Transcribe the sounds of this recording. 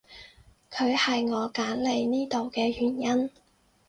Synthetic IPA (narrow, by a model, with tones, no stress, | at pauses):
kʰɵ˨˧ɥhɐ˨jŋɔː˨˧kaː˨˥nle˨˧jniː˥t̪o˨wkɛː˧jyː˨˩njɐ˥n